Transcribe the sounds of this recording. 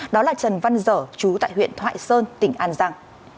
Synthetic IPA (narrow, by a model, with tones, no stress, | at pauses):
ɗɔ˨˦laː˨˩t͡ɕə˨˩nva˧nzəː˧˩t͡ɕu˨˦t̪a̰ː˧˨jɦwḭ˧˨ənt̪ʰwa̰ː˧˨jsəː˧nt̪ï˧˩ŋ̟ʔaː˧nzaː˧ŋ